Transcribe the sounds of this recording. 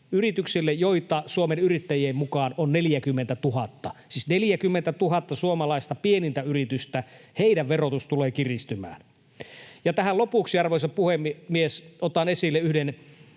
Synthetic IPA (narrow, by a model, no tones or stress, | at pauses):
yrit̪yksilːejjoit̪ɑsuomenyrit̪ːæjieːmmukɑːnonneljækymːent̪æt̪uɦɑt̪ːɑsiːsneljækymːent̪æt̪uɦɑt̪ːɑsuomɑlɑist̪ɑpienint̪æyrit̪yst̪æheidæʋʋerot̪ust̪uleːkirist̪ymæ̰ːn | jɑt̪æhælopuˑksiɑrʋoisɑpuhemiesot̪ɑnesilːeyhden